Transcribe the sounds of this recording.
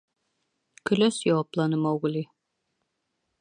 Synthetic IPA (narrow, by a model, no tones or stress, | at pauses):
kɵ̆læsjɒwɑplˠɑnɤmɑwɣɘ̆li